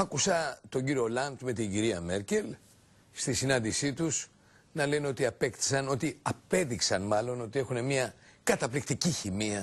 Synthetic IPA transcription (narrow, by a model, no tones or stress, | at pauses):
ɐkusɐt̪o̞ɲɟiɾio̞lɐnt̪me̞t̪iɲɟiɾiɐme̞ɾce̞l | st̪isinɐnd̪isit̪us | nɐle̞neo̞t̪iɐpekt̪i̥sɐno̞t̪iɐpe̞ðiksɐnmɐlo̞no̞t̪ie̞xune̞miɐkɐt̪ɐplik̚t̪iciçimiɐ